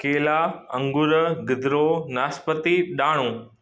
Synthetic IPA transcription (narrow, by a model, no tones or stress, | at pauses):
keːlaɐ̃ŋɡʊɾɡɪd̪ɾoːnaːspət̪iɗaːɽ̃õː